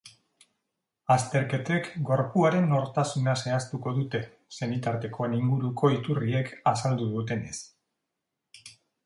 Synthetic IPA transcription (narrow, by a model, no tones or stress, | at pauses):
ast̪e̞ɾke̞t̪e̞kɡo̞ɾpuaɾe̞no̞ɾt̪asunase̞ast̪uko̞ðut̪e̞ | se̞nit̪aɾt̪e̞ko̞eniŋɡuɾukʰo̞it̪urie̞kasald̪uðut̪e̞ne̞̰s